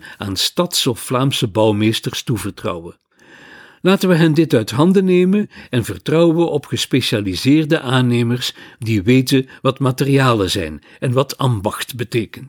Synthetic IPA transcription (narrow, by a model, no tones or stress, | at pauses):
a̰ːnstɑtsɔfːlaːmsəbʌwmeːstərstuvərtrɑ̰wə | laːtənʋəɦɛndɪtœɥtɦɑndənejmənɛnvərtrɑwəʔɔpχəspeʃaːlizɪːrdəʔaːneːmərsdiʋeːjtənʋɑtmaːtəriaːləzɛ̰jn | ɛnʋɑtʰambɑxtbəteːkən